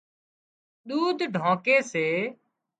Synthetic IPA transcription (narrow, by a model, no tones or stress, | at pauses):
ɗ̪uːd̪ʱɖʱãːkeːseː